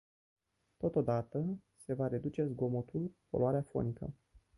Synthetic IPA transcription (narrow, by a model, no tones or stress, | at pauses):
t̪o̞t̪o̞d̪at̪əse̞vaɾe̞d̪ut͡ʃe̞zɡo̞mot̪ulpoloaɾeafo̞̰nikə̰